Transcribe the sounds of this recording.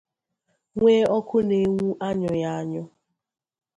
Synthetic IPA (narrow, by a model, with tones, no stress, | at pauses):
ŋʷeː˦ɔ˦kʊ˦ne˨˦ŋu˦ʔa˦ɲɔ˨ja˦a˦ɲɔ˦